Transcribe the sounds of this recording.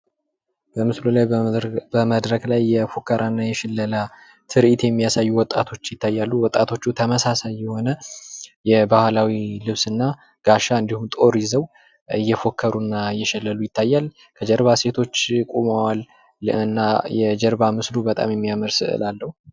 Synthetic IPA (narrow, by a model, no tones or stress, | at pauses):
bəmɨslulajbəməd̪ɾəklajːɛfo̞kʰːəɾʔanːajɛʃɛlːəla | t̪ʰɨɾʔit̪jɛmːijasajːuwɔt̪ʼːat̪ʰo̞t͡ʃːjɪt̪ʰːajːalːuwɔt̪ʼːat̪ʰo̞t͡ʃːut̪ʰəməsasajːɛho̞nəjɛbahlawilɨβsɨnːa | ɡ̥aʃaɨnd̪ihumt̪ʼo̞ɾizəw | ɨ̰jːɛfo̞kʰːəɾunːaɨjːɛʃɛlːəlujɪt̪ʰːajːal | kʰəd͡ʒɛɾβase̞t̪ʰo̞t͡ʃːkʼuməwal | ɨnːajɛd͡ʒɛɾβamɨslubət̪ʼa̰mjɛmːijaməɾsɨ̰ʔɨ̰lalːəhu